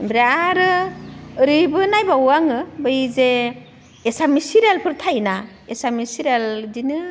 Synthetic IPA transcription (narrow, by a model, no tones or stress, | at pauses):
bɾaaɾɯ | ɾibɯnajbawaŋɯbɯjze | esamisiɾelpʰɯɾtʰajna | esamisiɾeldinɯ